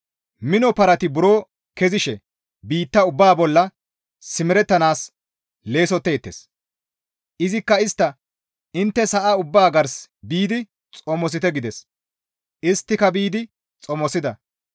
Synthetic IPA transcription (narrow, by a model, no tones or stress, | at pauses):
mɪnɔpɐɾɐt̪ɪbʊɾoː | kɛzɪʃɛ | biːt̪ːɐʊbːaːbɔlːɐː | ɪmɪɾɛt̪ːɐnaːs | le̞ːsɔt̪ːeːt̪ːes | ʔɪzɪkːɐɪst̪ːɐ | ɪnt̪ːɛsɐʔaʊbːaːɡɐɾsbiːd̪ɪ | t͡sʼɔmɔs̬ɪt̪ɛɡɪd̪ɛs | ʔɪst̪ːɪkɐbiːd̪ɪ | t͡sʼɔmɔsɪd̪ɐ